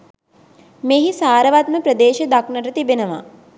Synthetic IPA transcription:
meːɦisaːɾəʋat̪̚məpɾəd̪eːʃəd̪aknəʈət̪ibenəʋa̰

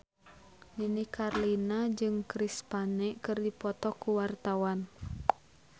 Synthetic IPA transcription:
ninikarlinad͡ʒɨŋkɾispanɛkɨrdipɔt̪ɔkuwart̪awan

